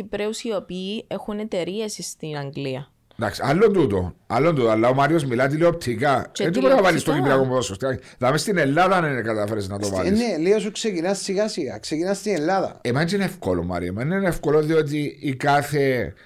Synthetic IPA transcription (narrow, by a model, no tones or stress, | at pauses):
ipɾeusiopiːexunet̪e̞ɾiesist̪inɐŋɡliɐ | d̪aksiɐlːond̪ut̪o̰ɐlːond̪ut̪oalːɐomɐɾio̞zmilɐt̪̬iliop̚t̪ʰikɐent̪ipeɾɐvɐlist̪oɡiiɾɐkompuðosost̪iɐðɐmest̪inelːaðɐneninekɐt̪ɐfeɾeznɐt̪ovɐ̰linseliosuksecinɐssiɣasiɣa̰ksecinɐst̪inelːaðɐ̰emɐnt͡ʃinefkoloma̰ɾiomɐnnenefkoloðio̞t̪̬iːkaθe